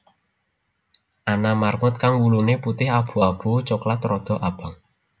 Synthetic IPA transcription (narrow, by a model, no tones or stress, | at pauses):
ʔanamarŋʊt̪̚kaŋwuluneput̪ɪhab̥ṳab̥ṳt͡ʃoklat̪ɾɔd̪̥ɔ̤ʔab̥a̤ŋ